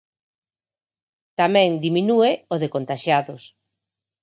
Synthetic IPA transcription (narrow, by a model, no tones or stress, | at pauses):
t̪amɛ̃ŋd̪iminueoðekont̪aʃaðʊs